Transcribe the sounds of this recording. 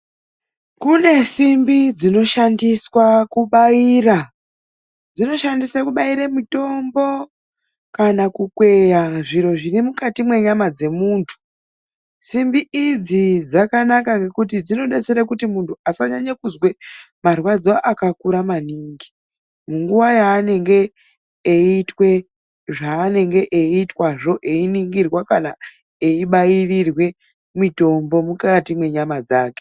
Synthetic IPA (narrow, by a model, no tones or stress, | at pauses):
kune̞simbid͡zino̞ʃandiswakuɓaira | d͡zino̞ʃandiswakuɓaiɾemito̞mbo̞ | kanakukwe̞jaʐiɾo̞ʐirimukatimwe̞ɲamad͡ze̞muːntʰu̥ | simbiid͡zid͡zakanakaŋɡe̞kutid͡zino̞ɗet͡se̞ɾakutimuntuasaɲaɲakuzwe | marwad͡zoʔakakuɾamaniːŋɡi | muŋɡuwajaːne̞ŋɡe̞ː | itwe̞ | ʐaːne̞ŋɡe̞ʔeitwaʐo̞ʔe̞iniŋɡirwakana | eiɓajirirwe̞ | mito̞mbo̞mukatimwe̞ɲamad͡zaːke